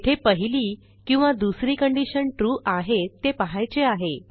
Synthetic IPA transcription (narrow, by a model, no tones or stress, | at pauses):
ʈ̪ʰepəɦiliː | kĩw̃ʋad̪usɾiːkəɳɖiɕənʈɾuːʔaɦet̪ːepəɦajt͡seaɦe